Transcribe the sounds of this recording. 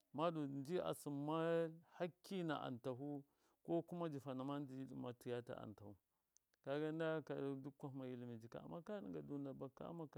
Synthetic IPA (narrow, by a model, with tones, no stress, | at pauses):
ma˦du˨n˦d͡ʒi˦ʔa̰˨si˨ma˦ha˦kːi˦na̰˨ʔa̰˨nta˨ɦu˦ | ko˦ku˦ma˦d͡ʒi˨fa˨na˨ma˦n˦di˦d͡ʒi˦di˨ma˨ti˨ja˦ta̰˨a̰˨nta˨u˨ | ka˨ɡa˦nda˦ka˨˦du˦kːa˦ma˨ji˦lmi˨d͡ʒi˨ka̰˨a̰˨mːa˦ka˦ḭ˨ŋɡa˨du˦na˨ba˨ka̰˦ma˦ka˨